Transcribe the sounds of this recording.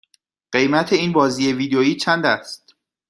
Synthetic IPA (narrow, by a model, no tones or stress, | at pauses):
ɢ̥e̞jmæt̪ʰe̞iːnbɒːziːje̞viːd̪oiːt͡ʃʰænd̪æst̪